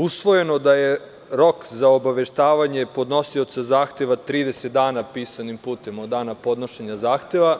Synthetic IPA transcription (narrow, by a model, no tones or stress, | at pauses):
usʋo̞je̞no̞d̪aje̞ | ɾo̞kzaobaʋe̞ʃt̪aːʋaɲe̞po̞d̪no̞siot̪sazaːxt̪e̞ʋat̪ɾiːd̪eset̪̚d̪aːnapiːsanimpuːt̪e̞mod̪ːaːnapo̞d̪no̞ʃeɲazaːxt̪e̞ʋa